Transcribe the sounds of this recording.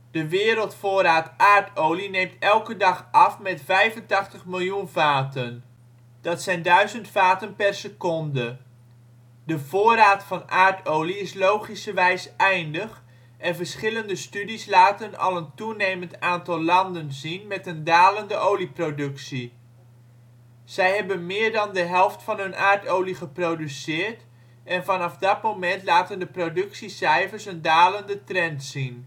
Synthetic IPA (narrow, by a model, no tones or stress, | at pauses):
d̥əʋɪːɾəlˠtfʊːɾaːtʔaːɹtowlinejmtɛlˠkədɑχʔɑfmɛtfɛjvəntɑχtəχmɪlˠjunvaːtən | d̥ɑtsɛjndœɥzəntfaːtənpɛrsəkɔndə | dəvʊːrɾaːtfɑnaːɹtowliɪslowχisəʋɛjsʔɛjndəχ | ʔɛnvəɹsχɪləndəstydislaːtənɑ̰lˠəntunejməntaːntɑlˠlɑndənzinmɛtəndaːləndəʔowliprodɵksi | z̥ɛjɦɛbənmɪːɹdɑndəɦɛlˠftfɑnɦɵnʔaːɹtowliχəprowdysɪːɹt | ɛnvɑnɑfdɑt̚mowmɛntlaːtəndəprodɵksisɛjvəɹsəndaːləndətrɛntsin